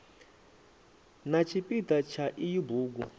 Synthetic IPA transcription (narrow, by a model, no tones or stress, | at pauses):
nat͡ʃʰipʼitat͡ʃʰaʔijubuːɡ̬u